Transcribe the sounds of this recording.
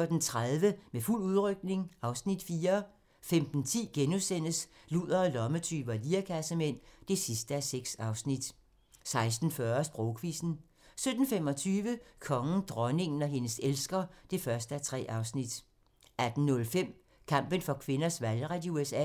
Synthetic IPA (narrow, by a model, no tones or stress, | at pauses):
d̥ent͡sʰʁað̞ˠʋəmeful̰uðˠʁœɡ̥̚ne̝ŋɑ̈ʊsnid̥fiːɐ | femd̥n̩t͡sʰḭːɡ̥enusen̰əsluð̰ˠɐːlɒ̽mət͡sʰyːb̥ɐliːɐkʰæsəmen̰d̥e̝sisd̥əæseɡ̥sɑ̈ʊsnid̥ | sɑ̈ɪsd̥n̩fɶːɐsb̥ʁɔʊkʰʋḭsn̩ | sød̥n̩fem̰ɒ̽t͡sʰyːʋəkʰɒ̽ŋn̩d̥ʁɒne̝ŋn̩ɒ̽ɦe̝nəselsɡ̥ɐd̥e̝fɶɐsd̥əæt͡sʰʁɛ̰ːʔɑ̈ʊsnid̥ | æd̥n̩nɔ̽lfem̰ | kʰɑ̈m̰b̥ənfɒ̽kʰʋe̝nɐsʋælʁad̥iuesɛ̰